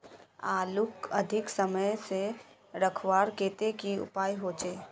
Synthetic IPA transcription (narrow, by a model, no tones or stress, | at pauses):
aːlʊkɐd̪ʱɪksɐməjse | ɾɐkʰwaːɾkeːt̪ekiʊ̰paːiɦoːt͡ʃeː